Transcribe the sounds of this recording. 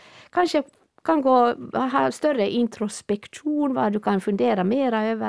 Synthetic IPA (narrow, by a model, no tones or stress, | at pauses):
kʰɑnʂə | kʰɑnɡoːɦɑːst̪œɾəʔɪnt̪ʰɾʊspɛkt̪uːnʋɑ̰d̪ʉkʰɑnfʉnd̪eːɾɑmeːɾɑøːʋə